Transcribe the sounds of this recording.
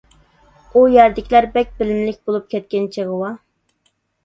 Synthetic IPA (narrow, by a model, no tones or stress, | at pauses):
ujɛɾd̪ɪkʲʰlæɾbɛk̚ʲbɪlɪmlɪkʲbolˠup̚kʲʰɛt̪̚kʲɛnt͡ʃʰeʁəwɑ